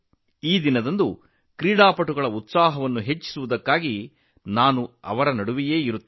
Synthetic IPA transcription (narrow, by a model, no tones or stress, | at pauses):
iːd̪inɐd̪ɐnd̪u | kɾiːɽaːpɐʈuɡɐɭɐut̪saːɦɐʋɐnːuɦet͡ʃːi̥suʋud̪ɐkːaːɡi | naːnuɐ̰ʋɐɾɐnɐɽuʋije̞ːiɾut̪ː